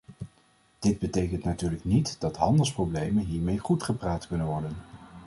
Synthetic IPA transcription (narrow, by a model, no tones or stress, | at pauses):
d̥ɪd̚bətejkəntnatyːɹləknitdɑtɦɑndəlˠsprowblejmənɦiːɹmejχutχəpraːtkɵnənʋɔɹdən